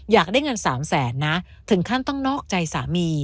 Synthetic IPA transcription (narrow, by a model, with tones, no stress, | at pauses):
jaː˨˩k̚daː˥˩jŋɤ˧nsaː˩˦msɛː˩˦nːa˦˥ | t̪ʰɯ˩˦ŋkʰa˥˩nt̪ɔ˥˩ŋnɔː˥˩k̚t͡ɕa˧jsaː˩˦miː˧